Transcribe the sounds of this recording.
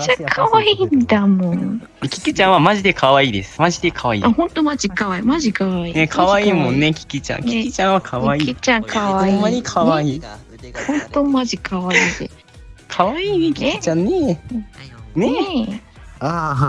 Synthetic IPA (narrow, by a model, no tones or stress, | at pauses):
t͡ɕːakʰaβaiːnd̪amõŋ | ekʲi̥kʲit͡ɕãɰ̃βamaʑid̪e̞kʰaβaiːd̪e̞̰sɨ̥maʑid̪e̞kʰaβaḭahõ̞nt̪o̞mad͡ʑikaβaimaʑikaβainekʰaβaiːmõ̞nːekʲi̥kʲit͡ɕã̰ŋkʲikʲit͡ɕãɰ̃βakʰaβaiit͡ɕãŋkʰaβaoĩmːaɲikʰaβaiː | hõ̞nt̪o̞maʑikaβaide | kʰaβaiːkʲiit͡ɕãnːe | ne | a